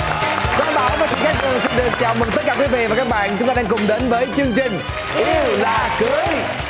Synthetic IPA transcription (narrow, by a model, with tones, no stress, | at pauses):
kɔ˧˦ɓaː˨˦wmaː˨˦t͡ɕŋkaː˦˥t̪ɨ˨˩ŋsɛ˧˥ɗɨ˨˩ək̚t͡ɕa̰ː˧˨wmï˨˩ŋt̪ə˦˥t̚kaː˧˩kwi˨˦vḭ˧˨vaː˨˩kaː˦˥k̚ɓa̰ː˧˨nt͡ɕʊ˦ŋ͡mt̪aː˧ɗaː˧ŋkʊ˨˩ŋ͡mɗe˨˦nvəː˨˦jt͡ɕɨ˧əŋt͡ɕï˨˩ŋ̟ | ʔʔi˧wlaː˨˩kɨ˨˦əjj